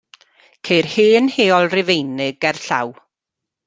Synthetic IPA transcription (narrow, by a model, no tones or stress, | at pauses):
kʰejrheːnheːɔlˠrɪvejnɪɡɛrɬa̰w